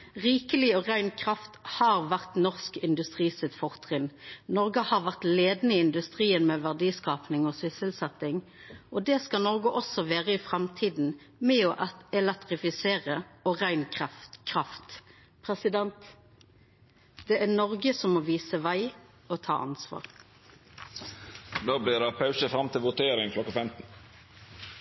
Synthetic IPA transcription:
ʁiːkəlɪɔʁæɪnkʰʁɑft̪hɑːʁʋæʁt̪nɔʁskɪnd̪ʉst̪ʁiːsɪt̪fɔʁt̪ʁɪnnɔʁɡəhɑːʁʋæʁt̪leːd̪nəɪɪnd̪ʉst̪ʁiːənmɛʋæʁd̪iːskɑːpnɪŋɔsɪsəlsɛt̪ːɪŋ | ɔd̪ɛskɑnɔʁɡʊʔɔsɔʋeːʁəɪfʁɑmt̪ʰiːd̪n̩ | mɛɔʔɑt̪ɛlɛt̪ʁɪfɪseːʁəɔʁæɪnkʰʁɑftkʰʁɑft̪ | pʰʁɛsɪd̪ɛnt̪ | d̪̥ɛʔænɔʁɡəsɔmːɔʋiːsəʋæɪ | ɔt̪ʰɑ̰ːʔɑnsʋɑ̰ːʁ | d̪oːbliːd̪ɛːpʰɑʉsəfɾɑmt̪ʰɪlʋʊt̪ʰeːɾɪŋkʰlɔkːəfɛmt̪n̩

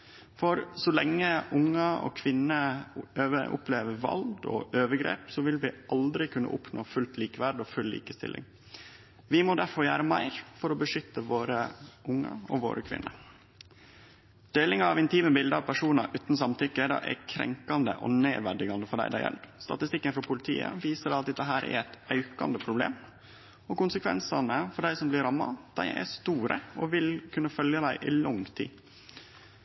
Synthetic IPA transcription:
fɔɾsɔlɛŋːəʊŋːɑɔ̰kʰʋɪnəøːʋə̰ʔʊ̰pʰleːʋəʋɑ̰ld̪ɔ̰ʔøːʋəɡɾḛːpsɔʋɪlʋɪʔɑld̪ɾɪkʰʉnːə̰ʔʊpnoːfʉlt̪liːkəʋæɖɔfʉlːḭːkəst̪ɪ̰lʔɪ̰ŋ | ʋɪmɔd̪æɾfɔɾjæːɾəmæɪɾfɔɾɔbəʂʏt̪ːəʋoːɾəʔʊŋːə̰ɔʋo̰ːɾʔəkʰʋɪ̰nʔə | d̪̥eːlɪŋɑɑʋɪnt̪ʰiːməbɪld̪əɾɔpʰæʂuːnəɾʔʉːt̪n̩sɑmt̪ʰʏkːəd̪ɑ̰ːʔɛ̰kʰɾɛ̰ŋkɑnd̪ə̰ʔɔ̰neːʋæɖɪɡɑnd̪əfɔɖæ̰ɪd̪æ̰ɪʔɛ̰lst̪ɑ̰t̪ɪst̪ɪkːənfɔpʰʊlɪt̪ʰḭːə̰ʋiːsəɾɑt̪ːɪd̪əɦæːɾʔɛ̰ɾɛt̪ɑʉkɑ̰nd̪əpʰɾʊblḛːm | ɔkʊnsəkʰʋɛ̰nsɑnəfɔɖæɪsɔmblɪɾɑmːɑ̰d̪̥æ̰ɪʔæ̰st̪uːɾə̰ɔʋɪlkʰʉnːəfœljəd̪æɪʔɪlɑŋt̪ʰḭː

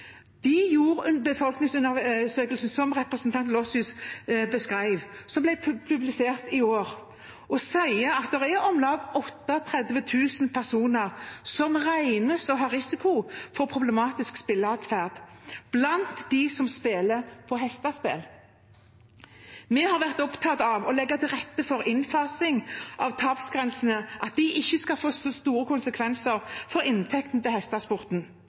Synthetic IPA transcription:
d̪̥ɪjuːɾbəfɔlknɪŋsʉnəʁsøːkəlsn̩sɔmʁɛpʁəsnt̪ʰɑnt̪lɔsʏsbəskʁæɪʋsɔmblæɪpʰʉblɪseːʁt̪ɪoːʁ | ɔsæɪəɑt̪̚d̪ɛʁæɔmlɑːɡɔt̪ːɑt̪ʰʁɛd̪ʋət̪ʰʉːsnpʰæʁsuːnəʁsɔmʁæɪnəsɔɦɑːɾʁɪsɪkʊfɔʁpʰʁʊblɛmɑːt̪ɪskspɪlːɑt̪fæːʁd̪b̥lɑnt̪d̪ɪsɔmspeːləpʰɔɦɛst̪ɑʁspḛːl | mɛhɑʁʋæʁt̪ɔpt̪ʰɑt̪ɑʋɔlɛɡːɑt̪ɪlʁɛt̪ːəfɔʁɪnfɑːsɪŋʔɑʋt̪ʰɑːpsɡʁɛnsən̩əʔɑt̪̚d̪ɪʔɪçːəskɑfoːsɔst̪uːɾəkʊnsəkʰʋɛnsəʁfɔʁɪnt̪ʰɛkt̪n̩t̪ɪlhɛst̪ɑspʊʁt̪n

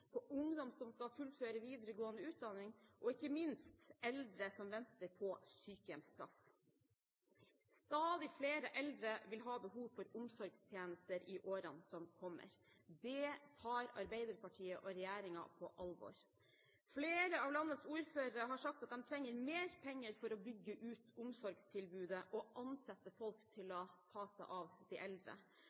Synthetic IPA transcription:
pʰɔʔʊŋd̪ɔmsɔmskɑfʉlføːɾəʋiːd̪əɾəɡoːənəʉːt̪̚d̪ɑnɪŋʔɔɪkːəmɪnst̪ɛld̪ɾəsɔmʋɛnt̪əɾpʰɔsyːkjɛmspʰlɑ̰s | st̪ɑːd̪ɪfleːɾəʔɛld̪ɾəʋɪlɦɑːbəhuːʋfɔɾʊmsɔɾɡst̪ʰjeːnəst̪əɾɪʔoːɾənsɔmkʰɔmːə̰ɾd̪ɛt̪ʰɑːɾɑ̰ɾbeɪd̪əɾpɑʈʰiːəʔɔɾɛjæːɾɪŋɑ̰pʰɔʔɑlʋɔ̰ːɾ | fleːɾəɑʋlɑnːət̪suːɾføːɾəɾəɦɑʂɑkt̪ɑt̪̚d̪ɛmt̪ʰɾɛŋːəɾmeːɾpʰɛŋːəɾfɔɾɔbʏɡːəʔʉːt̪ʊmsɔɾɡst̪ʰɪlbʉːd̪əʔɔʔɑnsɛt̪ːəfɔlkt̪ʰɪlɔt̪ʰɑːsæɪʔɑʋd̪ɛɪʔɛld̪ɾə̰

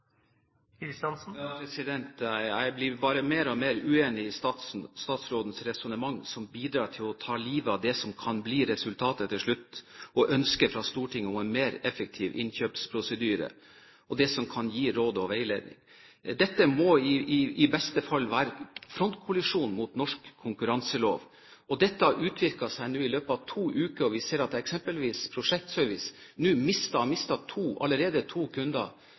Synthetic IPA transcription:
kɪst̪ɑnsn̩ːpʰɾɛsɪd̪ɛnt̪æjæɪblɪbɑːɾəmeːɾɔmeːɾʉːeːnɪɪsnst̪ɑːt̪sɾoːd̪ən̩sɾɛsʊnəmɑŋːsɔmbiːd̪ɾɑːʈʰɪlɔt̪ʰɑːliːʋɑʋd̪ɛsɔmkʰɑnbliːɾɛsʉlt̪ʰɑːt̪ət̪ʰɪlʂɭʉt̪ːɔʔœnskəfɾɑst̪uːʈʰɪŋːəʊmɛnmeːɾɛfək̚t̪ʰiːʋɪ̰nçøːpspʰɾʊsəd̪yːɾə̰ | ɔd̪ɛsɔmkʰɑnjiːɾoːd̪ɔʋæɪleːd̪nɪ̰ŋ | d̪ɛt̪ːəmɔɪɪɪbɛst̪əfɑlːʋæːɾəfɾɔnt̪kʰʊlɪʂuːnmuːt̪nɔʂkʰːʊŋkʉɾɑnsəlo̰ːʋ | ɔd̪ɛt̪ːəʔʉːt̪ʰʋɪɾkɑsɛɪnʉːɪløːpəɑʋt̪ʰuːʔʉːkəɾɔʋɪseːɾɑt̪ɛksɛmpəlʋiːspʰɾʊʂɛk̚t̪sœɾʋɪsnʉːmɪst̪ɑmɪst̪ɑt̪ʰuːʔɑ̰lːəɾeːd̪ət̪ʰuːkʰʉnd̪ɑ̰

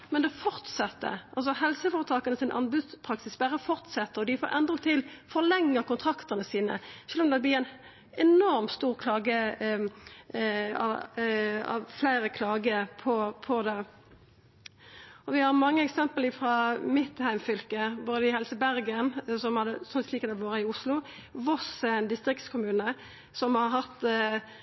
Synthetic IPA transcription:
mɛnd̪ɛfɔʁt̪sɛt̪ːə̰ʔɑls̬ɔhɛlsəfɔːʁət̪ʰɑːkɑnəsɪnʔɑ̰nbʉd̪spʰʁɑksɪsbæɾəfɔʁt̪sɛt̪ːəɾɔd̪ɪfo̰ːɾɛ̰nd̪ʁət̪ʰɪlfɔʁlɛŋːəɾkʊnt̪ʰʁɑkt̪ənəsiːnə̰ʃøːlːɔmd̪ɛb̪lɪːæɪn | ɛnɔʁmt̪st̪uːʁkʰlɑːɡə | ɑ̰ | ɑ̰ʋflæɪɾəkʰlɑːɡəpʰɔpʰɔd̪ɛ | ɔʋɪhɑʁmɑŋːəɛksɛmpəlɪfɾɑmɪt̪hæɪmfʏlkəboːd̪əɪhɛlsəbæɾɡənsɔmhɑd̪ːəsɔnsliːkɑd̪ɛʋoːɾəɪʊslʊ | ʋɔsɛɪnd̪ɪst̪ɾɪkt̪skʰʊmʉːnə | sɔmhɑɾɦɑt̪

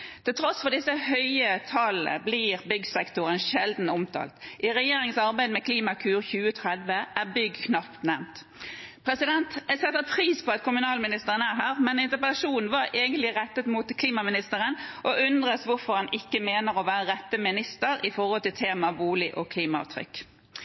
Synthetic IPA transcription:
t̪ʰɪlt̪ʰɾɔsfɔʁd̪ɪsːəɦœʏət̪ʰɑlə̰bliːʁbʏɡsɛkt̪ʊɾənʃɛld̪n̩ɔmt̪ʰɑ̰ːlt̪ʔɪʁɛjeːɾɪŋsɑʁbæɪd̪əmɛkʰliːmɑkʰʉːʁçʉːət̪ʰʁɛd̪ʋəʔæbʏɡkʰnɑpt̪nɛmt̪ | pʰʁɛsɪd̪ɛnt̪sɛt̪ːət̪pʰʁiːspʰɔɑt̪kʰʊmʉnɑːlmɪnɪst̪əʁənæʁɦæːʁmɛnɪnt̪əʁpət̪ɑʃuːnn̩ʋɑɾeːɡənt̪lɪʁɛt̪ːət̪mut̪kʰliːmɑmɪnɪst̪əɾənʔɔʔʉnd̪ʁəsʋʊɾfɔʁhɑnʔɪkːəmeːnəʁɔʋæːʁəʁɛt̪ːəmɪnɪst̪əɾɪfɔʁhɔlt̪ɪlt̪ʰeːmɑbuːlɪʔɔkʰliːmɑɑ̰ʋt̪ʰʁʏ̰kː

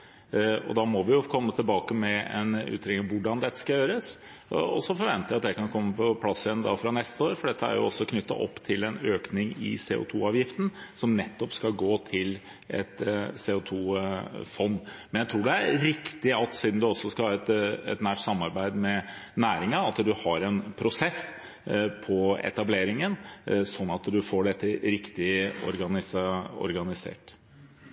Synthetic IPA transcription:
ɔ̰d̪ɑmɔʋɪjʊkʰɔmːət̪ʰɪlbɑːkəmɛɛ̰nʉ̰ːt̪ʰːɾekɪʋʊɖɑnd̪ɛt̪ːə̥skɑjøːɾəs | ɔsɔfɔɾʋɛnt̪əjæɑt̪d̪ɛkɑnkʰɔmːəpʰɔpʰlɑsːjɛnd̪ɑːfɾɑnɛst̪əoːɾfɔɖɛt̪ːəæ̰ɾjʊ̰ɔsːɔkʰnʏt̪ːə̰ʔɔ̰pːt̪ʰɪlɛnøːknɪŋɪ̰sḛːʊ̰t̪ʰṵːɑːʋjɪft̪n̩sɔmnɛt̪ːɔpskɑlɡoːt̪ʰɪl | ʔɛ̰t̪seːʊt̪ʰuːfɔnːmɛnjæɪt̪ʰɾuːɖɛæɾɾɪkt̪ɪɑt̪siːd̪n̩d̪ʉɔsːɔskɑhɑːɛt̪ɛ̰t̪næːʈsɑmːɑɾbæɪd̪mɛ | næːɾɪŋɑɑt̪d̪ʉhɑɾɛnpʰɾʊsɛsː | pʰɔɛ̰t̪ɑbleːɾɪŋənsɔnːɑt̪d̪ʉfoːɖɛt̪ːəɾɪkt̪ɪɔ̰ɾɡɑnɪɔ̰ɾɡɑnɪsḛːʈ

